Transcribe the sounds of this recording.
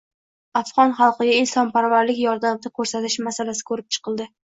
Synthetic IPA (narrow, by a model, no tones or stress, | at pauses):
afʁɒnχɑlˠqɨɡʲaɪlsɒnpaɾvaɾlɪkʲjɒɾd̪amd̪ɪkʰɵɾsat̪ʰɪʃmasalasɪ̥kʰɵɾɪp̚t͡ʃʰɨ̥qʰɨlˠd̪ɪ